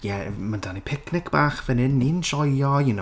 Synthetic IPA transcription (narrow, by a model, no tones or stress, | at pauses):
jɛmandanipʰɪknɪkʰb̥aːχvɛnɪnːinʃɔjjɔjɪno